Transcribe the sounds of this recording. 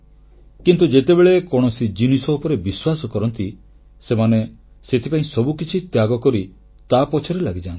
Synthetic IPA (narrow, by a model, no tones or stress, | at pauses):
kint̪ud͡ʒet̪ebeɭekɔɽ̃ɔsid͡ʒinisɔupɔɾebiswasɔkɔɾɔnt̪i | semane | set̪ʰipaĩsɔbukit͡ʃʰit̪jaɡɔkɔɾi | t̪apɔt͡ʃʰɔɾelaɡid͡ʒãnt̪i̥